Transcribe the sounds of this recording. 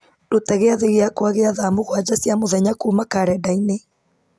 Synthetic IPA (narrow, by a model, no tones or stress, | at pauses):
dotaɣeaðeɣeakwaɣeaðamoɣwad͡ʒasjamoðɛɲakuːmakaɾɛdaine